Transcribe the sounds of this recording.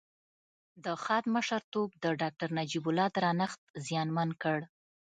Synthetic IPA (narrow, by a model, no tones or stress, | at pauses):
d̪əxɑd̪məʃaɾt̪obd̪əɖɑk̚ʈaɾnad͡ʒibʊlɑd̪əɾɑnaxt̪̚zjɑnmankəɽ